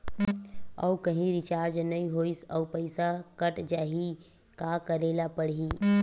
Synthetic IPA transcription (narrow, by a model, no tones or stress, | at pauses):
ə̰ukəɦĩɾɪt͡ʃaːɾd͡ʒnəĩɦoisəupəɪsakəʈd͡ʒaːɦi | kakəɾelapəɽɦi